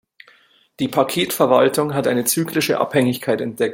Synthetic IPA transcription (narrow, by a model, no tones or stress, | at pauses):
d̥iːpʰakʰeːtfɛɐvaltʊŋɦatʔa̰ɪnət͡syːklɪʃə̰ʔa̰phɛŋɪçkʰaɪtɛnt̚d̥ɛk̚t